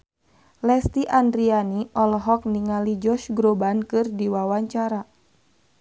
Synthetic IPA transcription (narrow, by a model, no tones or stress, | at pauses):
lɛst̪iʔandɾianiʔɔlɦɔk̚niŋalid͡ʒɔʃɡɾobankɨrdiwawaɲt͡ʃaɾa